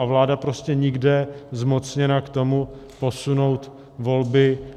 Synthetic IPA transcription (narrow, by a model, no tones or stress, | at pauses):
avlaːdapɾo̞scɛɲɪɡdɛzmo̞t͡sɲɛnakt̪o̞mu | po̞suno̞wt̪ | vo̞lbɪ